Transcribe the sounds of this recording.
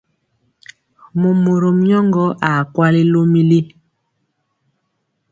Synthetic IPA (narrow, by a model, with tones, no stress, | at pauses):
mo˨mo˨ɾo˨m˦jɔ˦ŋɡɔ˦ʔa˨kwa˦li˦lo˦mi˦li˦